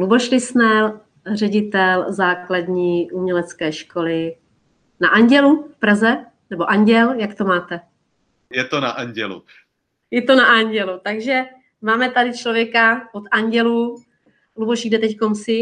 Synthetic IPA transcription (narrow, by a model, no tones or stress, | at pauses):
luboʃlɪsnɛl | rɛɟɪt̪ɛlzaːkladɲiːʔumɲɛlɛt͡skɛːʃko̞lɪ | naʔaɲɟɛlufpɾazɛ | nɛbo̞ʔaɲɟɛljakt̪o̞maːt̪ɛ | jɛt̪ona̰ʔaɲɟɛlṵ | jɛt̪onaʔaɲɟɛlut̪aɡʒɛ | maːmɛt̪adɪt͡ʃlovjɛkaot̪aɲɟɛlu | luboʃɡdɛt̪ɛckomsɪ